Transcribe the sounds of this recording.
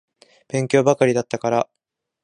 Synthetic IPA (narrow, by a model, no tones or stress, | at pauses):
b̥ẽ̞ŋkʲo̞ːbakaɾʲid̪at̪ːakaɾa